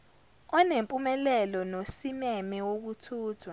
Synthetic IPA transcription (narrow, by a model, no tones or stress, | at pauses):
ɔnempʼumɛlɛlɔnosimɛmɛwok̬utʰuːtʰwa